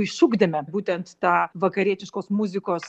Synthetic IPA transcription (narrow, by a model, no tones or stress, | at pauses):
ɪʃuɡd̪ʲɐmʲɛbuːt̪ʲɛnt̪t̪ɑːʋɐkɐɾʲiɛt̪ʲɪʃkoːsmʊzʲɪkoːs